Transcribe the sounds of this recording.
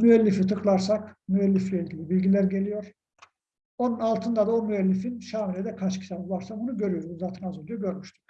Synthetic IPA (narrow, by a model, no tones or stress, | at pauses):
myɛlʲːifit̪ʰɯklˠaɾsakmyɛlːiflʲɛilʲɟʲilʲibilʲɟilʲæɾɟe̞lʲijo̞ɾ̥ | o̞nunalˠt̪ʰɯnd̪ad̪aomyɛlʲːifinʃaːmilʲɛd̪ɛkʰat͡ʃcʰit̪ʰabulˠaɾsakbunuɟø̞ɾyjo̞ɾuzaːt̪ʰɯnazuld̪ujuɟø̞ɾmyʃt̪ʰy̥k